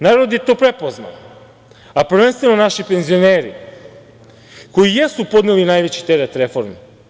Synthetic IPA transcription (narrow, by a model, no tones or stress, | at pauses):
naːɾo̞d̪jet̪o̞ːpɾepo̞zna̰n | apr̩ʋenst̪ʋe̞no̞naʃipenzio̞neːɾḭ | ko̞jijesupo̞d̪nelinaːjʋet͡ɕi̥t̪eɾet̪ɾefo̞ɾmi